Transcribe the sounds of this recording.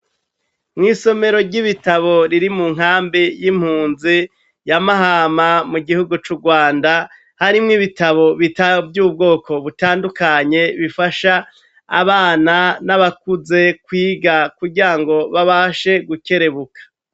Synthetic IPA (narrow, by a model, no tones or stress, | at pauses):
mŋiːso̞me̞ɾo̞ɾɟiβitaβo̞ɾiɾimuŋ̥ɦaːmbijim̥huːnzi | jamaɦaːmamuɡihuɡut͡ʃuɡwaːnda | haɾimŋiβitaβo̞βitabɟuːb̚ɡo̞ːkʰo̞βutaːndukaɲe̞βifaʃa̰ː | βaːnanaβakuze̞kwiːɡakuɾɟiɾaŋɡo̞βaβaʃe̞ɡuke̞ɾe̞βukʰḁ